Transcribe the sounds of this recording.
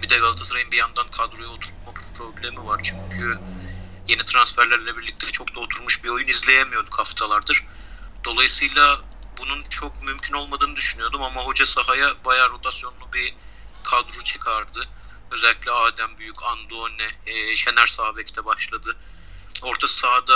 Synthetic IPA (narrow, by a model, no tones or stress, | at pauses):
bid̪ɛɡalˠat̪ʰasɯɾajɯmbijand̪ankʰad̪ɾojaot̪ʰuɾt̪̚mappʰɾo̞blʲe̞mivaɾt͡ʃʰyɲcʰy | je̞nit̪ʰɾansfæɾlʲæɾlʲɛbiɾlʲic̚t̪ʰɛt͡ʃʰo̞kd̪aot̪ʰuɾmuʃbio̞junizlʲe̞jemijo̞d̪ukʰaft̪ʰalˠaɾd̪ɯɾ̥ | d̪̥o̞lˠajɯsɯjlˠa | bununt͡ʃʰo̞kmymcʲʰino̞lˠmad̪ɯːnɯd̪yʃynyjo̞d̪umamaɦo̞d͡ʒasaɦajabajaːɾo̞t̪ʰasjo̞nlˠubi | kʰad̪ɾot͡ʃʰɯ̥kʰaɾd̪ɯ | ø̞zɛlʲːiclʲɛaːd̪æmbyjycʰand̪onɛʃe̞næɾsabecʰid̪ʰɛbaʃlˠad̪ɯ | o̞ɾt̪ʰasad̪a